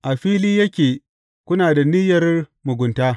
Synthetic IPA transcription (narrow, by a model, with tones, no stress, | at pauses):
ʔa˨ɸiː˦liː˦jɐ˦kʲeː˨ | kʷʊ˦naː˨da˨nɪ˦jɐ˨rmʊ˨ɡʷʊ˨ntaː˦